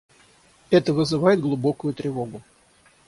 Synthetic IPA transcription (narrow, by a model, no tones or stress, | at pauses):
ɛt̪əvɨzɨvajɪd̪̚ɡlˠʊbo̞kʊjʊt̪ɾʲɪvo̞ɡʊ